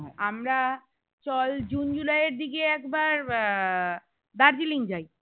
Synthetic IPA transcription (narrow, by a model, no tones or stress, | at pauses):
ɦɔeamɾa | t͡ɕɔld͡ʑund͡ʑulajeɾd̪iɡeɛkbaɾ | d̪aɾd͡ʑiliŋd͡ʑaj